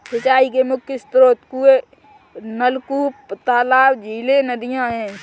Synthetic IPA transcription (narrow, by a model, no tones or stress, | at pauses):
sət͡ʃaːikemʊkʰjəst̪ɾoːt̪kue | nəlkupt̪aːlaːwd͡ʒʱiːlenəd̪ijãɦɛ̃ː